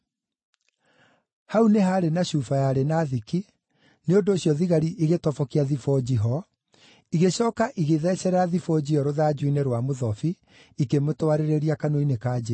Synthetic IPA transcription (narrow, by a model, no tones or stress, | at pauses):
hauneɦaːɾenaɕuːfajaɾenaːðiki | neondoːɕjɔðiɣaɾiʔiɣetɔfɔkiaðifɔd͡ʑiɦɔ | iɣeɕɔːkaʔiɣeðɛsɛɾaðifɔd͡ʑiɔɾoðaːd͡ʑuineɾwamoðɔfi | ikemotoaɾeɾeɾiakanoinekaːd͡ʑe